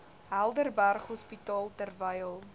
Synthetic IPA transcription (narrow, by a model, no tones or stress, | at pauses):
ɦælˠdərbærχɦɔspitɑːlˠtərvəjəlˠ